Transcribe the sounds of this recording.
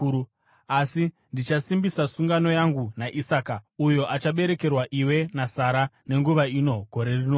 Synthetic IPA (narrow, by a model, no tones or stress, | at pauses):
asi | ndit͡ʃasimbisasuŋɡano̞jaŋɡunaʔisaːkaujo̞ʔat͡ʃaɓe̞ɾe̞ke̞rwaʔiwe̞nasaɾane̞ŋɡuʋaino̞ɡʱo̞ɾe̞rinoː